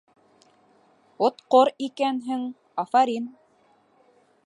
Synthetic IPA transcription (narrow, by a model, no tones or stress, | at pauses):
ot̪qoɾikænɦɘŋ | ɑfɑɾin